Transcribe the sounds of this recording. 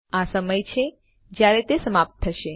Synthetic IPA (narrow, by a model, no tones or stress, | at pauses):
asəməjt͡ʃʰe | d͡ʒjaɾet̪esəmap̚t̪ʰːəʃe